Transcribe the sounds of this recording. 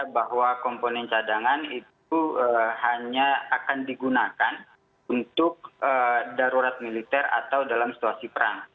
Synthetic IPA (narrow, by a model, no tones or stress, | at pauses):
baɦwakɔmponɛnt͡ʃadaŋanit̪̚uəhaɲaakandiɡunakan | unt̪ʊk̚ədaɾuɾat̪̚milit̪ɛra̰t̪awdalamsi̥t̪uasipəɾa̰ŋ